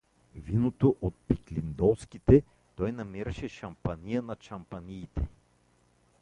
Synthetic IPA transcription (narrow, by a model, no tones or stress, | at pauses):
vinot̪oʔot̪̚piklind̪ɔwskit̪ɛ | t̪ɔjnɐmiɾɐʃɛʃɐmpanijənɐʃɐmpaniːt̪ɛ